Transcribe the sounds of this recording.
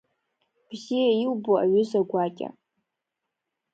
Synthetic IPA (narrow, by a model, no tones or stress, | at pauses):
b̥zijaiwboaɥʏzaɡʷakʲʼa̰